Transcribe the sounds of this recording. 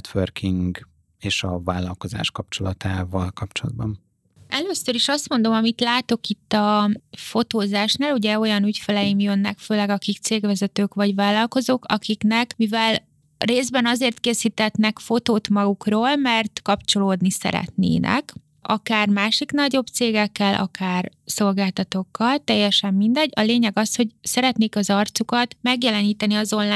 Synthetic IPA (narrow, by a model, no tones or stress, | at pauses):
t̪ʋørkiŋɡ | eːʃɒvaːlːɒlko̞za̰ːʃkɒp̚t͡ʃo̞lɒt̪ʰaːvɒlkɒp̚t͡ʃolɒd̪̚bɒn | ɛløːsːøɾiʃɒst̪mo̞nd̪o̞mɒmit̪laːt̪o̞kit̪ːɒfo̞t̪oːzaːʃnaːluɟɛo̞jɒnycfɛlɛjimjønːɛkføːlɛɡɒkikt̪seːɡʋɛzɛt̪øːkʋɒɟʋaːlːɒlko̞zoːkɒkiknɛkmivɛl | reːzbɛnɒzeːrt̪keːsiːt̪ɛt̪nɛkfo̞t̪oːt̪mɒɡukroːlmɛrt̪kɒpt͡ʃo̞loːd̪nisɛ̰ɾɛ̰t̪nḛːnʔɛ̰k | ɒ̰kaːrmaːʃiknɒɟo̞bt̪seːɡɛkːɛlʔɒ̰kaːrso̞lɡaːlt̪ɒt̪o̞kːɒlt̪ɛjːɛʃɛmːind̪ɛɟːɒleːɲɛɡɒsho̞ɟsɛɾɛt̪neːkɒzɒrt̪sukɒt̪mɛɡjɛlɛniːt̪ɛniɒzo̞nlaː